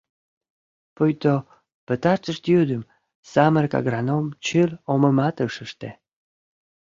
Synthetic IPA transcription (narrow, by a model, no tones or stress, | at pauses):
pujt̪o | pə̆t̪ɑʃt̪əʃt̪jyd̪əm | sɑmərkɑ̰ɡrɑnomt͡ɕəlomə̆mɑt̪əʃəʃt̪e